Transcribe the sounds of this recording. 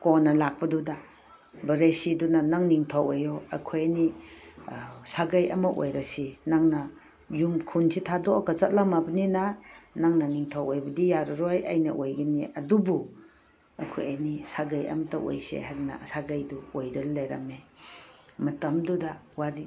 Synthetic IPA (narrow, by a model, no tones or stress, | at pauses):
konɐlak̚pɐduda | bɐɾesidunanaŋniŋtʰawejɔa̰kʰojani | saɡajɐ̰mɐʔo̰jɾɐsinaŋnɐ | jumkʰunsitʰadɔakʰat͡ʃɐt̚lamabɐninanaŋnɐniŋtʰawʔojbɐdijaɾɔɾojɐ̰jnɐʔojɡiniʔɐdubu | ɐkʰo̰janisaɡajɐ̰mɐtɐʔo̰jsḛhadna̰saɡajduojdɐllajɾɐme | mɐtɐmdudawaɾi